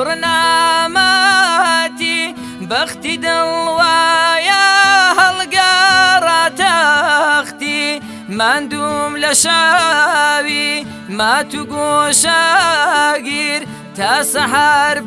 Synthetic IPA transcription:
ʊɾnamɐ | t̪i | bɐxt̪id̪ɨlwajaɦɐlɡɐrˤaːt̪ɐ | xt̪i | mand̪umlɐʃa | wi | mat̪uɡuʃa | ɡiɾ | t̪ʰaːsɐɦaɾ

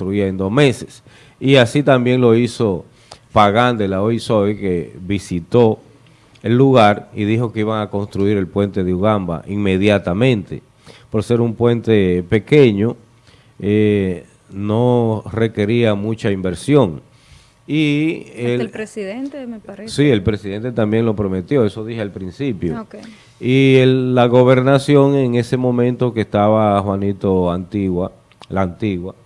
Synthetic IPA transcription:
t̪ɾuiaend̪o̞sme̞se̥s | iasit̪ambje̞ŋloiso̞ | paɣand̪elaoisoekeβisit̪o̞ | elːuɣaɾḭðixo̞ke̞iβaŋako̞nst̪ɾuiɾe̞lpwe̞nt̪e̞ðeuɣamba̰ʔiŋme̞ðjat̪amẽ̞nt̪e̞̰ | po̞ɾse̞ɾumpwe̞nt̪e̞pe̞keɲo̞ | e | no̞re̞ke̞ɾiamũt͡ʃaimbe̞ɾsjo̞ŋ | ieɾsiðent̪eeasie̞lpɾe̞siðe̞nt̪e̞t̪ambje̞ŋlo̞pɾo̞me̞t̪jo̞e̞so̞ðihealpɾinsipjo | ieːaɣo̞βe̞ɾnasjo̞ŋe̞ŋe̞se̞mõ̞mẽnt̪o̞keːst̪aβaxwanit̪o̞ant̪iɣwa | laːnt̪iɣwa

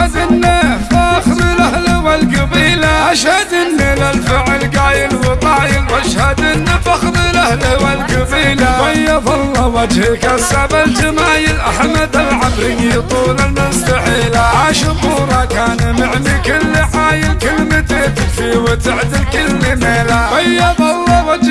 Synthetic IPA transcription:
ad̪ɪnːafaʔxðˤilʔahlwalɡabiːlaʔaʃhad̪ɪnːɪlalfɪʕɪlɡaːjɪlwɪt̪ˤɑːjɪlwaʃhad̪ɪnːfɑxðˤilʔahlhwalɡabiːlawajːafɑlːɑwad͡ʒhɪkasabald͡ʒamaːjɪlʔaħmad̪alʕabɾɪnjit̪ˤuːlalmʊnst̪aħiːlaʕaːʃɪbuːɾˤɑkaːnamɪʕnikʊlːɪħaːjɪltkɪlmɪt̪ɪt̪ɪkfiwɪt̪ɪʕd̪ɪlkʊlːɪmeːlawajːɑðˤɑlˤːɑwad͡ʒ

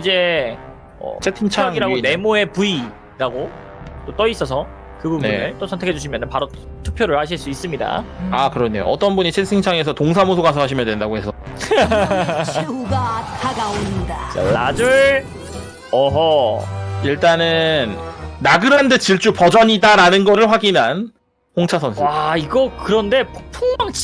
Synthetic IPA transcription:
id͡ʑe̞ | ʌ̰t͡ɕʰetʰint͡ɕʰaaŋiɾaɡone̞moe̞pui | ɾaɡo | t͈ot͈ʌis͈ʌs̬ʰʌ | kɯbubneɯɭt͈osʰʌntʰekʰed͡ʑuɕʰimjʌnɯnpaɾo | tʰu̥k̚pʰjoɾɯɭhaɕ̬ʰiɭs͈uis͈ɯmɲida̰akɯɾʌnːe̞jo̰ʔʌt͈ʌnbuɲit͡ɕʰes͈ʰɯŋt͡ɕʰaŋe̞s̬ʰʌtoŋs̬ʰamosʰoɡas̬ʰʌɦaɕʰimjʌndwe̞ndaɡohe̞sʰʌ | ɡatʰaɡaondajʌ̰ɭːad͡ʑuɭ | ʌɦʌ | iɭt͈anɯnːaɡɯɾɦandet͡ɕiɭt͡ɕ͈upʌd͡ʑʌɲidaɾanɯnɡʌɾɯɭɸwaɡinɦan | hoŋt͡ɕʰasʰʌnsʰaiɡʌkɯɾʌnde̞pʰuŋmaŋ

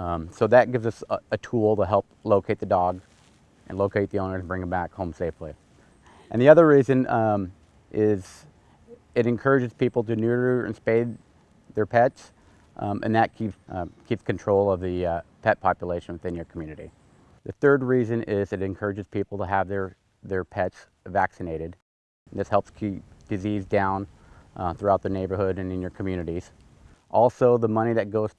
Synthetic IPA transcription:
soʊðɨt̚ɡ̥ɪvzʌsɨtʰulˠtəɦɛlˠp̚loʊkʰeɪt̪̚ðɨdɔɡ | ʔɨ̃nloʊkʰeɪt̪̚ðiõʊ̃nə˞ɨ̃n̩bɹɪ̃ŋɨ̃mbækhõʊ̃mseɪfli | ʔɨ̃nðiʌðə˞ɹizɨ̃n | ʔɪz | ɨɾɨ̃nkʰɜ˞ɨd͡ʒɨz̥pipl̩ˠtɨnɪɹəɨ̰̃nspeɪd̪̚ | ðə˞pʰɛts | ʔʔɨ̰̃nðɨt̚kʰikʰipskɨ̃ntʰɹ̥oʊlˠʌvðɨpʰɛt̚pʰɑpjəleɪʃɨ̃n̩wɨθɪ̃njə˞kʰmjʉnɨɾḭ | ðɨθɜ˞d̚ɹizɨ̃nɪzɨɾɨ̃nkʰɜ˞ɨd͡ʒɨz̥pʰipl̩ˠtəːvðə˞ | ðə˞pʰɛts | væksɨneɪɾɨd | n̩ðɪshɛlˠpskʰip̚d̥ɨzizdãʊ̃n | θɹuaʊt̪̚ðə˞neɪbə˞hʊɾɨ̃nɨ̃njə˞kʰm̩jʉnɨɾiz̥ | ʔɔlˠsoʊðəmʌñiðɨt̚ɡ̥oʊz̥

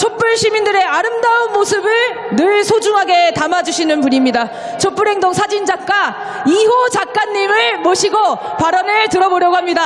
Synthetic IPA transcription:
t͡ɕʰop͈uɭɕʰimindɯɾe̞aɾɯmdaunmosʰɯbɯɭ | nɯɭsʰod͡ʑuŋɦaɡe̞tamad͡ʑuɕʰinɯnpuɲimɲida | t͡ɕʰop͈uɾɦe̞ŋdoŋsʰad͡ʑind͡ʑak̚k͈a | ihot͡ɕak͈̚aɲːimɯɭmoɕʰiɡopaɾʌnɯɭtɯɾʌboɾjʌɡoɦamɲida

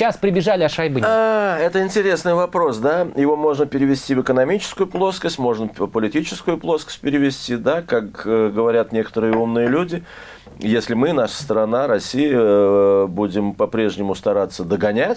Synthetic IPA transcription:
aspɾʲɪbʲɪʐalʲɪɐʂɐjbɨaɛt̪əɪnʲtʲɪɾʲe̞snɨjvɐpɾo̞sd̪ajɪvo̞mo̞ʐnəpʲɪɾʲɪvʲɪsʲtʲivɨkənɐmʲit͡ɕɪ̥skʊjʊplˠo̞skəsʲtʲmo̞ʐnəpəlʲɪtʲit͡ɕɪskʊjʊplˠo̞skə̥sʲt̚ʲpʲɪɾʲɪvʲɪsʲtʲid̪akakɡəvɐɾʲat̪nʲe̞kə̥t̪əɾɨjəumnɨjəlʲudʲɪ | jesʲlʲɪmɨnaʂə̥st̪ɾɐnaɾɐsʲːijə | budʲɪmpɐpɾʲe̞ʐnʲɪmʊst̪ɐɾat̪sːəd̪əɡɐnʲætʲ

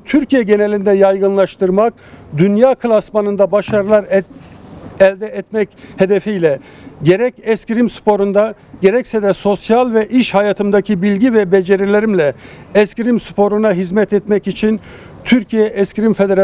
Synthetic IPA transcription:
t̪ʰyɾcijɛɟe̞nɛlʲind̪ɛjajɡɯnlˠaʃt̪ɯɾmak̚ | d̪ynjaːkʰɯlˠasmanɯnd̪abaʃaɾɯlˠaɾ | ɛlʲd̪ɛɛt̪mɛche̞d̪efijlʲɛɟeɾɛcɛskcɾimspʰo̞ɾund̪a | ɟeɾɛcsɛd̪ɛso̞sjalˠvɛʔiʃhajat̪ʰɯmd̪acʰibilʲɟivɛbed͡ʒeɾelʲeɾimlʲɛɛscɾimspʰo̞ɾunaɦizmɛt̪ɛt̪mɛcit͡ʃʰin | t̪ʰyɾcʰijɛʔɛscɾimfed̪eɾ

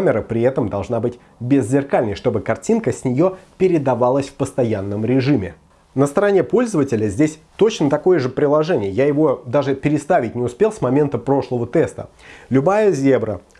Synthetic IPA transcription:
mʲɪɾəpɾʲɪɛt̪əmd̪ɐlˠʐnabɨtʲ | bʲɪzʲzʲɪrkalʲnəjʂt̪o̞bɨkɐrtʲinkəsʲnʲɪjo̞pʲɪɾʲɪd̪ɐvalˠəsʲfpəst̪ɐjanːəmɾʲɪʐɨmʲɪ̰ | nəst̪əɾɐnʲepo̞lʲzəvətʲɪlʲəzʲdʲesʲt̪o̞t͡ɕnət̪ɐko̞jəʐɨpɾʲɪlˠɐʐɛnʲɪjəjajɪvo̞d̪aʐɨpʲɪɾʲɪst̪avʲɪtʲnʲɪʊspʲe̞lˠsmɐmʲe̞nt̪əpɾo̞ʂlˠəvət̪ɛst̪ə̰ | lʲʊbajəzʲebɾə

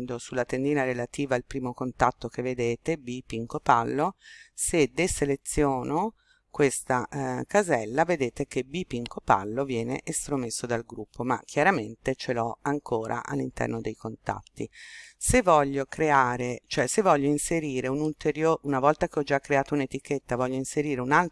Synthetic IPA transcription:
d̪osulːat̪end̪iːnaɾelat̪iːvaːlpɾiːmokont̪at̪ːok̟evːed̪eːt̪ebipiŋkopalːosed̪eselet̪sːjoːno | kwest̪akazɛlːaved̪eːt̪ek̟ebipiŋkopa̰lːovjɛːnḛʔest̪ɾomesːod̪alɡɾupʰːoma̰kʰːjaɾament̪et͡ʃelɔaŋkʰoːɾʔa̰ʔa̰lːint̪ɛ̰rnod̪ejkont̪a̰t̪ːisevːɔʎːokɾeaːɾet͡ʃoɛsevːɔʎːoinseɾiːɾeunult̪eɾjoːunavɔlt̪akeɔd͡ʒakːɾeaːt̪ounet̪iket̪ːavɔʎːoinseɾiːɾeunal

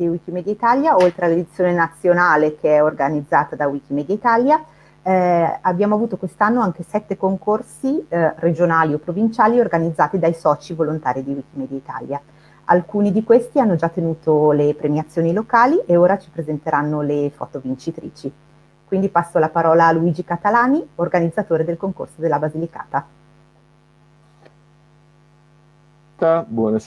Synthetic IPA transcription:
ewik̟imɛd̪jait̪aljaolt̪ɾealed̪it̪sːjoːnenat̪sːjonaːlekʰeɛorɡanid̪zːaːt̪ad̪awikimɛːd̪jait̪alja | abjaːmoavuːt̪okwest̪anːoaŋk̟esɛt̪ːekoŋkorsired͡ʒonaːliopːɾovint͡ʃaːliorɡanid̪zːaːt̪id̪ajsɔːt͡ʃivolont̪aːɾid̪iwik̟imɛːd̪jait̪a̰lja | a̰lkuːnid̪ikwest̪ianːod͡ʒat̪ːenuːt̪olepɾemjiat̪sːjoːnilokaːliʔeoːɾat͡ʃi̥pɾezent̪eɾanːolefɔ̰ːt̪ovint͡ʃit̪ɾḭːt͡ʃi | kwind̪ipasːolapaɾɔːlaluiːd͡ʒikat̪alaːniorɡanid̪zːat̪oːɾed̪elkoŋko̰rsod̪elːabazilika̰ːt̪a | t̪abwɔna

